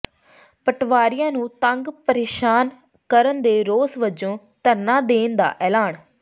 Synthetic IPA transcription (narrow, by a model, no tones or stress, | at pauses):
pəʈʰʋaːɾɪjãːnũːt̪əŋɡpəɾeːʃaːn | kəɾənd̪eːɾoːsʋəd͡ʒõː | t̪əɾnãːd̪eːnd̪a̰ːʔɛːlaːɳ